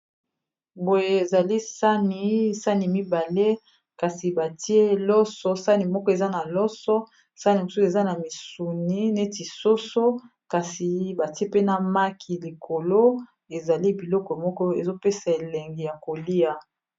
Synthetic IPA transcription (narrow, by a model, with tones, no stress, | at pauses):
bo˨je˦e˨za˨li˦sa˦ni˨sa˦ni˨mi˦ba˨le˦ | ka˨si˨ba˨ti˦e˦lɔ˦sɔ˦sa˦ni˨mɔ˦kɔ˦e˨za˦na˨lɔ˦sɔ˦ | sa˦ni˨mo˨su˦se˨za˦na˨mi˨su˨ni˦ne˦ti˨so˦so˦ | ka˨si˨ba˨ti˦e˦pe˦na˨ma˦kʰi˨li˨kʰo˨lo˦ | e˨za˨li˦bi˨lɔ˦kɔ˨mɔ˦kɔ˦e˨zo˦pe˦sa˨e˨le˨ŋɡi˨ja˨ko˨li˦a˨